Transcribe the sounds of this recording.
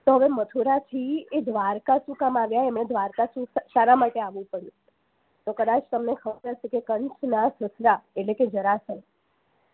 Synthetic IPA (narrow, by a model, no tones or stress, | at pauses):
t̪oɦəʋemət̪ʰuɾat̪ʰied̪ʱʋaɾkasũkamaʋjaɛmɳed̪ʱʋaɾkasũsaɾamaʈeaʋũpəɽjũ | t̪okəd̪at͡ʃt̪əmnekʰəbəɾɦəʃekekəɳt͡ʃnasəsɾaeʈleked͡ʒəɾasə